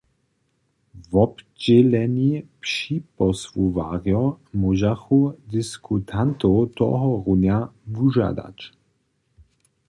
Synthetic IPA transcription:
vɔbd͡ʑɛlɛnipʃipɔsvuvaʁjɔmuʒaxud̪ɪskʰut̪ʰant̪owt̪ɔ̰ɦɔʁunjavuʒa̰d̪a̰t͡ʃ

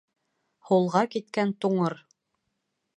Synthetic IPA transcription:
hulˠʁɑkit̪kænt̪uɴɤɾ

